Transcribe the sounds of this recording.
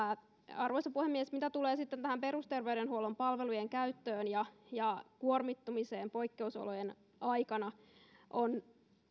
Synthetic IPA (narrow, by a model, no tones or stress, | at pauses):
ɑrʋoisɑpuhemːiesmit̪æt̪uleːsit̪ːent̪æhæmpeɾust̪erʋewdenhuolompɑlʋelujeŋkæyt̪ːøːnjɑjɑkuormit̪ːumiseːmpo̞ikːeuso̰lojen | ʔɑikɑnɑ | ʔon